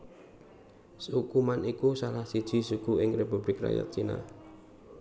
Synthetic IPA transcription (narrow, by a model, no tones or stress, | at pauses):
sukumanikusalahsid̥ʒ̥i̤suɡ̥uɪŋrepub̥lɪkra̰ja̰t̪̚t͡ʃina̰